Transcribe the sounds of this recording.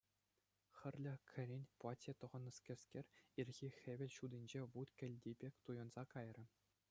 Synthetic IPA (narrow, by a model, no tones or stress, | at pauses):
xʲɘ̆rʲlʲɘ̆kʲʰɘ̆ɾʲenʲplˠɑtʲet̪ɤ̆ʁɤ̆nːɤ̆skʲɘ̆sʲkʲerʲirʲɣʲixʲeʋʲɘ̆lʲɕud̪ĭnʲd͡ʑeʋut̪kʲɘ̆lʲdʲebʲekʲt̪ujɤ̆nz̥ɑkɑjrʲɘ̆